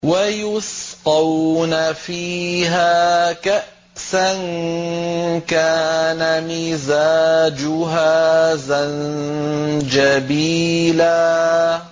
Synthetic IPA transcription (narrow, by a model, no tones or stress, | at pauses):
wajʊsqɑwnafiːɦaːkaʔ | san | kaːnamizaːd͡ʒʊɦazan | d͡ʒabiːlaː